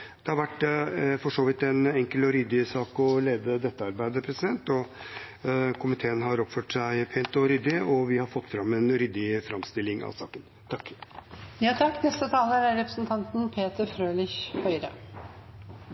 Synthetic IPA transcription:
d̪̥ɛhɑɾʋæʈːfɔʂoːʋɪt̪ɛnɛŋkəlɔɾʏd̪ɪsɑːkɔleːd̪əd̪ɛt̪ːəɑɾbæɪd̪əpʰɾɛsɪd̪ɛnt̪ɔ | kʰʊmɪt̪ʰeːənɦɑɾɔpføːʈsæɪpʰeːnt̪ɔɾʏd̪ɪɔʋɪhɑɾfɔt̪ːfɾɑmːɛnɾʏd̪ɪfɾɑmst̪ɪlːɪŋɑ̰sɑ̰ːkən | t̪ʰɑkː | jɑːt̪ʰɑkːnɛst̪ət̪ʰɑːləɾæɾɾɛpɾəsnt̪ʰɑnt̪npʰeːt̪əɾfɾøːlɪçhœʏɾə̰

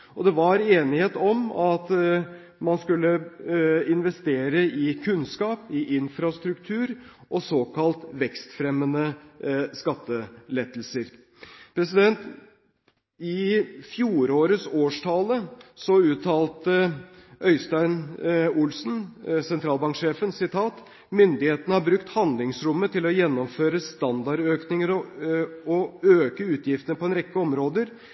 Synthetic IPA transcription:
ɔd̪ɛʋɑɾeːnɪheːt̪ɔmɑt̪ | mɑnskʉlːə | ɪnʋɛst̪eːɾəɪkʰʉnskɑːpɪʔɪnfɾɑst̪ɾʉkt̪ʰʉːɾʔɔsoːkʰɑlt̪ʋɛkst̪fɾɛmːənəskɑt̪ːəlɛt̪lsəɾ | pʰɾɛsɪd̪ɛnt̪ | ɪfjuːɾoːɾəsoːʂʈʰɑːləsɔʉːt̪ʰɑːlt̪əʔœʏst̪æɪnʊlsn̩sɛnt̪ʰɾɑːlbɑŋkʂeːfənsɪt̪ʰɑːt̪ | mʏnd̪ɪheːt̪ənəhɑɾbɾʉkt̪hɑnd̪lɪŋsɾʊmːət̪ʰɪlɔjɛnːɔmføːɾəst̪ɑnd̪ɑɾøːknɪŋəɾ | ɔøːkəʉːt̪ʰjɪft̪ənəpʰɔɛnɾɛkːəɔmɾoːd̪əɾ

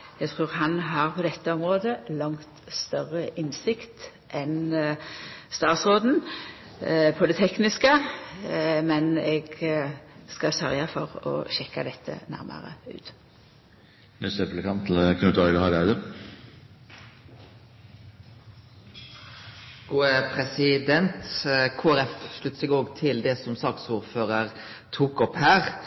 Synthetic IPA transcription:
jɛɡt̪ʰʁʉːʁhɑnɦɑʁpʰɔd̪ɛt̪ːəɔmʁoːd̪əlɑŋt̪st̪œʁəʔɪnsɪkt̪ | ʔɛn | st̪ɑːt̪sʁoːd̪n̩ | pʰɔd̪ɛt̪ʰɛknɪskə | mɛnɛɡ | skɑsœʁjɑfɔʁɔ̰ʃɛkːad̪ɛt̪ʰːə̰næ̰ʁmʔɑ̰ʁə̰ʉ̰ːt̪ | nɛst̪ɛpləkʰɑnt̪ʰl̩kʰnʉt̪ɑɾɡ̪əhɑɾæd̪ə | ɡ̥uːəpʰʁɛsɪd̪ɛnt̪kʰoːæɾɛfʃlʉt̪ːsɛɡoːɡt̪ʰɪld̪ɛsɔmsɑːksuːʁføːʁəʁ | t̪ʰuːkɔphæːʁ

